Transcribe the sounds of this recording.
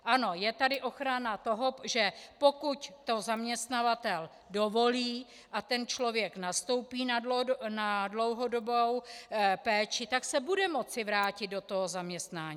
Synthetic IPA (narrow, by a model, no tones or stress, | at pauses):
ʔano̞jɛt̪adɪʔo̞xɾanat̪o̞ɦo̞ʒɛpo̞kuct̪o̞zamɲɛst̪navat̪ɛl | dovo̞liː | ʔat̪ɛnt͡ʃlo̞vjɛknast̪o̞wpiːnadonadlo̞wɦo̞dobowpɛːt͡ʃɪt̪aksɛbudɛmo̞t͡sɪvɾaːcɪd̪̚do̞t̪o̞ɦozamɲɛst̪naːɲiː